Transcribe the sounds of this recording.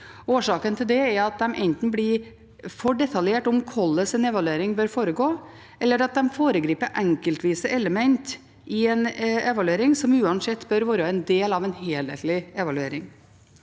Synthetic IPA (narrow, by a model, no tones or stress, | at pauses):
oːʂɑːkənt̪ʰɪld̪ɛɛɾɑt̪̚d̪ɛmʔɛ̰nt̪n̩blɪ | fɔɖɛt̪ʰɑljeːʈʊmkʰɔlːəsɛnɛʋɑlʉeːɾɪŋbœɾfoːɾəɡoː | ɛlːəɾɑt̪̚d̪ɛmfoːɾəɡɾiːpəʔæŋkəlt̪ʰʋiːsəʔɛləmɛnt̪ | ɪɛnɛʋɑlʉeːɾɪŋsɔmʉːɑnsɛt̪ːbœɾʋoːɾəɛnd̪eːlɑʋɛnheːlhḛːt̪lɪɛʋɑlʉeːɾɪŋ